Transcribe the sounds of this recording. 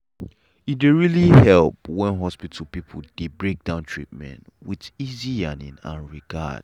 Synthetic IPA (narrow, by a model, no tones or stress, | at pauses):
it̚deɹilihɛlˠpwɛ̃nɦɔspitʰl̩ˠpipʰl̩d̥ebɹek̚d̥ãʊ̃ntʰɹ̥ḭt̚mɛ̰̃nt | wiðiziãnḭ̃na̰ɹiɡa̰d̥